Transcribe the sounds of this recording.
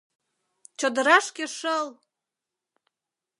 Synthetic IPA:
t͡ɕod̪əɾɑʃkeʃəl

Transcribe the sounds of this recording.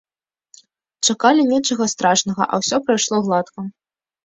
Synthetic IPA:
t͡ʂakalʲinʲɛt͡ʂɐɣɐst̪ɾaʂnɐɣɐ̰ʔɐ̰wsʲɔpɾajʂlˠɔɣlˠat̪kɐ

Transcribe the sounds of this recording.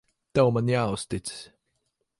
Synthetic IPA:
t̪ɛwmanjaːʊst̪it̪ss

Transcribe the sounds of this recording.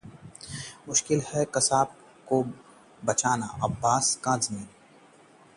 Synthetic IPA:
mʊʃkɪlhɛkɐsaːb̚ | ko | bɐt͡ʃaːna̰ʔɐbːaːskãːzmiːn

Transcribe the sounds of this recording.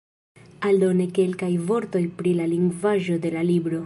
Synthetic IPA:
aldo̞neke̞lkajvo̞ɾto̞jpɾilaliŋɡvaʒo̞de̞lalibɾo̞

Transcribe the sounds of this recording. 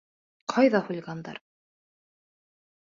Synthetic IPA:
qʰɑjðɑhulʲɡɑnd̪ɑ̰ɾ

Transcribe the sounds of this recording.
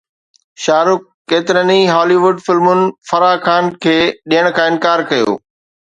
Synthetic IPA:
ʃaːɾʊk̚ːeːt̪ɪɾəniɦɔːliʋʊɖfɪlmʊnɪ̆fɐɾaːkʰaːnkʰeːɗiɦəɽ̃kʰãːɪ̃nkaːɾkɐjo̰ː

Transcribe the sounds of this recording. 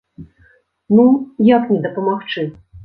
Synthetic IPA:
nujaknʲɛd̪ɐpɐmaxt͡ʂɨ

